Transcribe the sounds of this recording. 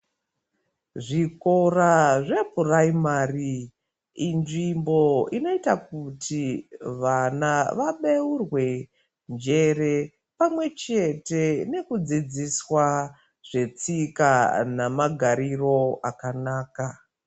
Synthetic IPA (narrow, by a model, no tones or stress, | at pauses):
ʐikoraʐe̞bʱuraimaːri | inʐimbo̞ino̞itak̚utʰiʋanaʋaɓeurwe̞ | nd͡ʒe̞ɾe̞ | pamwe̞t͡ʃe̞te̞ne̞kud͡zid͡ziswa | ʐ̥e̞t͡sikanamaɡʱaɾiro̞akanaːka